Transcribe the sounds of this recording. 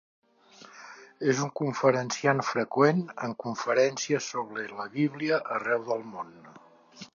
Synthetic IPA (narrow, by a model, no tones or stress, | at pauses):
ezuŋkuɱfəɾənsianfɾəkwenə̰ŋkuɱfəɾɛnsiəsoβɾələβiβ̞liəʔərɛwðəlˠmon